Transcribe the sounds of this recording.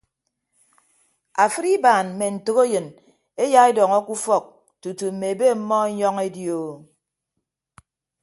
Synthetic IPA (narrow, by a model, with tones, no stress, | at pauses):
a˨fɨ˦ɾi˦baː˨nm̩˨me˨n̩˨to˦ɣe˦jɨ˨n | e˦ja˦e˦dɔ˨ŋɔ˦ku˦fɔ˦˨k̚ | tu˨tu˨m̩˨me˨be˦m̩˦mɔ˦e˦ɲɔ˦ŋe˦djo˨